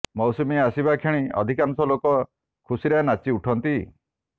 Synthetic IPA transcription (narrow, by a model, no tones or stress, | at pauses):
mɔwsumiasibakʰeɽ̃iɔ̰d̪ʱikanɔsɔlokɔ | kʰusiɾanat͡ʃiuʈʰɔnt̪i